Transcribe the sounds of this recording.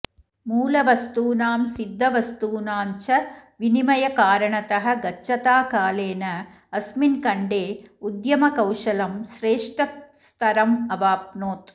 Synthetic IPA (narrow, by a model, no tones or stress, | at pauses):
muːlɐʋɐst̪uːnaːmsid̪ʱːɐʋɐst̪uːnaːɲt͡ʃɐʋinimɐjɐkaːɾɐɳɐt̪ɐɦɐ̆ɡɐt͡ʃːɐt̪aːkaːleːnɐ | ɐsminkɐɳɖeːud̪jɐmɐkɐwʂɐlɐmʃɾeːʂʈɐst̪ɐɾɐmɐʋaːp̚noːt̪